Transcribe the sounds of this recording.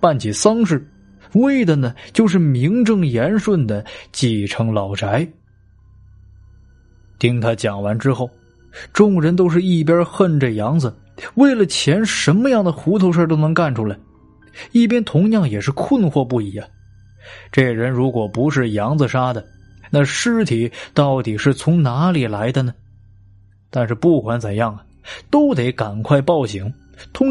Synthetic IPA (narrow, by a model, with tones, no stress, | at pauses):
pa˥˩nt͡ɕʰi˨˩sɑ˥ŋʂ̬ɻ̩˥˩ | we˥˩ɪd̪ə˩nə˩t͡ɕjo˥˧ʊʂ̬ɻ̩˥˩mi˧˥ŋʈ͡ʂɤ˥˩ŋjɛ˧˥nʂwə˥˩nd̪ə˩t͡ɕi˥˩ʈ͡ʂʰɤ˧˥ŋlɑ˨˩ʊʈ͡ʂʰa˧˥ɪ | t̪i˥ŋt̪ʰa˥t͡ɕjɑ˨˩ŋwa˧˥nʈ͡ʂɻ̩˥xo˥˩ʊ | ʈ͡ʂʊ˥˩ŋɻə˧˥nt̪̬o˥ʊʂ̬ɻ̩˥˧i˥˩p̬jɐ˥xə˥˧nʈ͡ʂə˥˩jɑ˧˥ŋd͡zɹə˧ | we˥˩ɪlə˩t͡ɕʰjɛ˧˥nʂə˧˥nmə˧jɑ˥˩ŋd̪ə˩xu˧˥t̪ʰo˧˥ʊʂə˞˥˩t̪o˥ʊnɤ˧˥ŋka˥˩nʈ͡ʂʰu˧˥la˧˥ɪ | i˥˩p̬jɛ˥nt̪ʰʊ˧˥ŋjɑ˥˩ŋjɛ˨˩ʂɻ̩˥˧kʰə˥˧nxwɔ˥˧pu˥˩i˨˩a˥˩ | ʈ͡ʂe˥˩ɻə˧˥nɻu˧˥kwɔ˨˩pu˧˥ʂɻ̩˥˩jɑ˧˥ŋd͡z̩˧ʂa˥d̪ə˨ | na˥˧ʂɻ̩˥˩t̪ʰi˨˩˦t̪ɑ˥˩ʊt̪i˨˩ʂɻ̩˥˩t͡sʰʊ˧˥ŋna˧˥li˨˩la˧˥ɪd̪ə˧nə˩ | t̪a˥˧nʂɻ̩˥˧pu˥˩kʰwa˧˥nt͡sə˨˩njɑ˥˩ŋɐ˩ | t̪o˥ʊt̪e˧˥ɪka˨˩nkʰwa˥˧ɪpɑ˥˩ʊɕi˧˥ŋ | t̪ʰʊ˧˥